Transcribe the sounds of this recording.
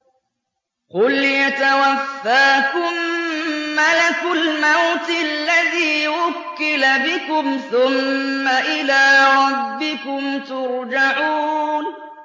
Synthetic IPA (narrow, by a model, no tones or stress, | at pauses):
qʊljat̪awafːaːkʊmː | alakʊlmawt̪ɪalːaðiːwʊkːɪlabɪkʊmθʊmːaʔɪlaːɾˤɑbːɪkʊmt̪ʊɾd͡ʒaʕuːn